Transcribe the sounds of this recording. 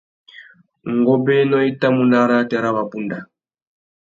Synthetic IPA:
ŋ˨ɡɔ˦bɛ˦nɔ˦i˦ta˦mu˨na˦ɾa˦tɛ˨ɾa˦βa˨pu˦nda˨

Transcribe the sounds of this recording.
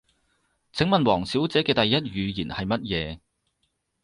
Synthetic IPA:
t͡sʰɪ˨˥ŋmɐ˨nwɔː˨˩ŋsiː˨˥wt͡sɛː˨˥kɛː˧t̪ɐ˨jːɐ˥t̚jyː˨˧jiː˨˩nhɐ˨jmɐ˥t̚jɛː˨˧

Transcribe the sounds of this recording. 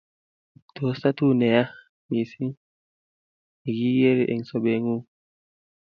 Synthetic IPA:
to˨sa˦tu˦nɛ˨ja˦ | mi˨si˦ŋ | i˨ɡi˦ɡe˦ɾi˨ʔḛ˨ŋso˨be˨ŋu˦

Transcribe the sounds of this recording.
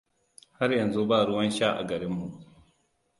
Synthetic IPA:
ha˦ɾjɐ˨nzu˦baː˦˨ɾʊ˦wɐ˦nʃaː˦ʔa̰˨ɡɐ˨ɾɪ˦mːu˨

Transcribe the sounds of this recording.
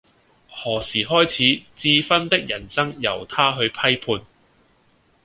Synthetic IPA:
hɔː˨˩siː˨˩ɦɔː˥jt͡sʰiː˨˥t͡siː˧fɐ˥nt̪ɪ˥k̚jɐ˨˩nsɐ˥ŋjɐ˨˩wt̪ʰaː˥ɦɵ˧ɥpʰɐ˥jpʰuː˧n

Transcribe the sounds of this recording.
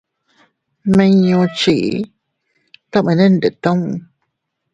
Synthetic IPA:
mẽ˧ɲõ˧t͡ʃi˨ʔ | t̪a˦mẽ˨˧nẽ˦nde˨t̪õ˦ŋ˧

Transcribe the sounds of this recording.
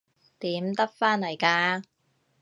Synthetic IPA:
t̪iː˨˥mt̪ɐ˥k̚faː˥nlɐ˨˩jkaː˧

